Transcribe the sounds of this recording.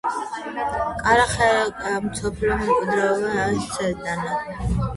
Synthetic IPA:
kʼaɾaχaakʼamsɔpʰliɔmɛkʼid̪ɾaɔbaaist̪sʼɛɾd̪ʼana

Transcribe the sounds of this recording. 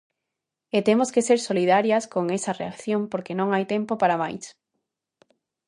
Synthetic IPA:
et̪emoskeseɾsolið̞aɾjɐskoŋesɐreakθjompoɾkenõŋajt̪empopaɾamajs

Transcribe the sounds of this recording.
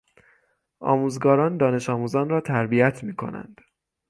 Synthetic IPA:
ʔɒ̰ːmuːzɡɒːɾɒːnd̪ɒːne̞ʃɒːmuːzɒːnɾɒːt̪ʰæɾbijæt̪ʰmiːkʰo̞̰næ̰nd̪̥

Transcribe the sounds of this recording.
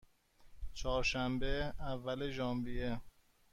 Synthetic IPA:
t͡ʃʰɒːɾʃæmbeævːæleʒɒːmbie

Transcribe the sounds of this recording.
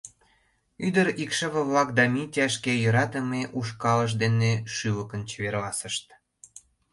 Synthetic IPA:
yd̪əɾikʃə̆βə̆βlɑk̚d̪ɑmitʲɑʃkejə̆ɾɑt̪əmeʔuʃkɑləʃ̬d̪eneʃyləkə̆nt͡ɕβerlɑsəʃt̪

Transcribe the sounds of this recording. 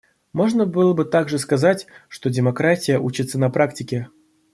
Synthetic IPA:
mo̞ʐnəbɨlˠəbɨt̪aɡʐɨskazatʲʂt̪o̞dʲɪmakɾatʲɪjəʔut͡ɕɪt̪sənɐpɾʔaktʲɪkʲe

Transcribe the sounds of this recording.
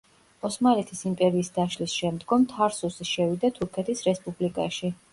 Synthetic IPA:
ɔsmalɛt̪ʰisimpʼɛɾiːsd̪aʃlisʃɛmd̪ɡɔmt̪ʰaɾsusiʃɛvid̪at̪ʰuɾkʰɛt̪ʰisɾɛspʼublikʼaʃi

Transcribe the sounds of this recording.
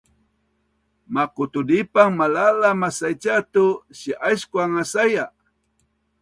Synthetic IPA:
makut̪udipaŋmalalamasajt͡ʃat̪uɕiʔajskwaŋasaja

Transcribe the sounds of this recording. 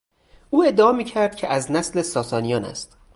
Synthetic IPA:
uːe̞d̪ːeɒːmiːcʰæɾd̪̥cʰe̞ʔæznæslesɒːsɒːnijɒːnæ̰st̪

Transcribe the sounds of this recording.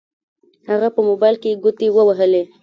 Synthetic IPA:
haɣapəmobajlkeɡʊt̪ewəwaɦəle

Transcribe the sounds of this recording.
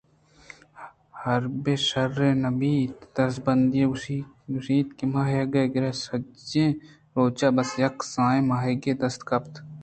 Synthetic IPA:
hɐɾbeːʃɐɾẽːnɐbiːt̪d̪ɐɾsbɐnd̪jẽi | ʊʃiːt̪kimaːjeɡɐɡɪɾeːsɐẽː | ɾoːt͡ʃaːbɐsjɐksãːẽmaːɦeɡeːd̪ɐst̪kɐpt̪ʰ

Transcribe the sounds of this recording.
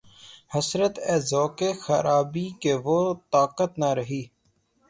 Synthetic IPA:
həsɾət̪ɛːzɔːkexəɾʔaːbikeʋoːt̪aːkət̪naɾəɦiː

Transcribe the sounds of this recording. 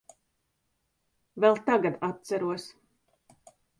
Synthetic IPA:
vɛlˠt̪aɡad̪at̪̚t̪sæɾuɔs

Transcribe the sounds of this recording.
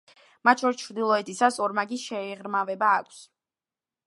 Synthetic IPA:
mat̪t͡ʃʰɔɾist͡ʃʰɾd̪ilˠɔɛt̪ʰisasɔɾmaɡiʃɛɛʁɾmavɛbaːkʷʰs

